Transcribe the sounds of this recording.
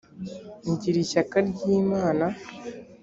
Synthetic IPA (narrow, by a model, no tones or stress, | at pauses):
ɲɟiɾiʃakaɾɟiːmaːna